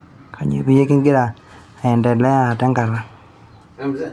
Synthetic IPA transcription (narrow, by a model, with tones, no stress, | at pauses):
kʰa˨ɲḛ˨bi˦je˦ki˦ŋɡɪ˦ɾa˨ | ɛ˨ndɛ˨lɛ˦a˦˨tɛ˦ŋɡa˨ɾa˦